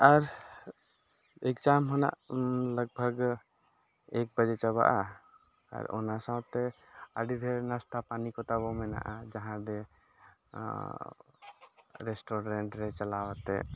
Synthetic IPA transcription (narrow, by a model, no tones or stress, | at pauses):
aɾ | ekt͡ʃamɦɔna̰ʔləɡ̚bʱəɡ | ɛk̚bəd͡ʒɛt͡ʃaβa̰ʔa | a̰ɾɔ̰nasãwt̪ɛ | a̰ɖiɾɛnast̪ʰapanikɔt̪abɔmɛna̰ʔad͡ʒaɦãb̪ɛ | ɾɛsʈɔɾɛɳʈɾɛt͡ʃalawat̪ɛ